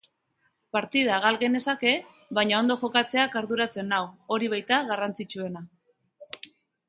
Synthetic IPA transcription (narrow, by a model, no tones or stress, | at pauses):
paɾt̪ið̞aɣalɣene̞sake̞ | βaɲao̞nd̪o̞xo̞kat͡se̞akaɾðuɾat͡se̞nawo̞ɾiβajt̪aɣarant͡sit͡ʃue̞na